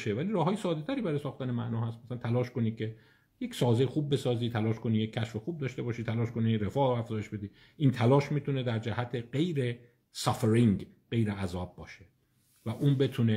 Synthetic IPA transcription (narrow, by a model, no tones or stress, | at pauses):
ʃevæliːɾɒːɦɒːjesɒːd̪et̪ʰæɾiːbæɾɒjesɒːxt̪ænemæ̰ʔnɒːhæst̪mæsælænt̪ʰælɒːʃko̞nikʰe̞ | je̞csɒːzexuːb̚ːe̞sɒːziːt̪ʰælɒːʃko̞nijecʰːæʃfexub̚d̪ɒːʃt̪e̞bɒːʃit̪ʰælɒːʃko̞niɾe̞fɒːʔɾoæfzɒːjeʃbe̞d̪iː | ʔiːnt̪ʰælɒːʃmiːt̪ʰune̞d̪æɾd͡ʒæhæt̪ʰeɢe̞jɾe̞ | sɒfeɾiŋɡɢe̞jɾeæzɒːb̚ːɒːʃe | væʔuːnbe̞t̪ʰune